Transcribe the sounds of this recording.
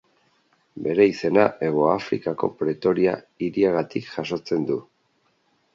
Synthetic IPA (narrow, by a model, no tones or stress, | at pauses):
be̞ɾe̞ise̞naʔe̞ɣ̞o̞afɾikako̞̰pɾe̞t̪o̞ɾia̰ | iɾiaɣ̞at̪ikʝ̥aso̞t͡se̞nd̪u